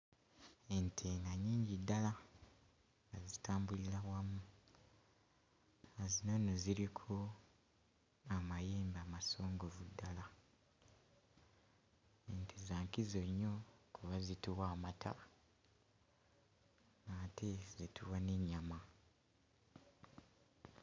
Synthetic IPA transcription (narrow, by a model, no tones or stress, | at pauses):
entʰeŋɡaɲiːɲɟidːala | ŋɡazitaːmbuliɾawamu | ezino̞noziɾikʰo | amajeːmbamaso̞ːŋɡo̞vudːala | ntʰizaːŋkizo̞ɲːo̞kʰuβazituwaːmatʰa̰ | ŋatezituwaneɲːama